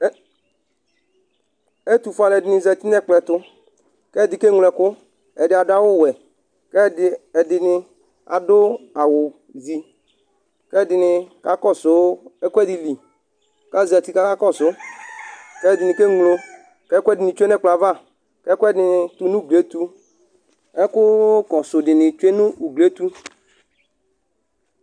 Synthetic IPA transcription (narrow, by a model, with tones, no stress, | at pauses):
e˦t̪u˨fa˨lɛ˨dɪ˨nɪ˨zɛ˨ti˦nɛ˦˨k͡plɛ˨tʊ˦ | kɛ˦˨dɪ˨ke˦ŋlɛ˨kʊ˦ | ɛ˨dɪ˨a˨dʊ˦a˦wʊ˦˨wɛ˨ | kɛ˦˨ɛ˨dɪ˨nɪ˧ | a̰˨dʊ˦a˨wʊ˨ | zi˨ | kɛ˦˨dɪ˨nɪ˧ka˦kɔ˦˨sʊ˦ɛ˦kʷɛ˦di˨li˨ | ka˦˨zi˨a˨ti˦ka˦ka˦kɔ˦˨sʊ˨˦ | kɛ˦˨dɪ˨nɪ˨ke˦ŋlo˧ | kɛ˦kʷɛ˦dɪ˨nɪ̃˨t͡ʃe˦nɛ˦˨k͡pla˨va˦˨ | kɛ˦kɛ˦dɪ˨nɪ˨tʊ˦nũ˦ɡle˨˦t̪u˦ | ɛ˦kʊ˦kɔ˨sʊ˨dɪ˨nɪ̃˨t͡ʃe˦nʊ̃˦u˨ɡle˦t̪u˦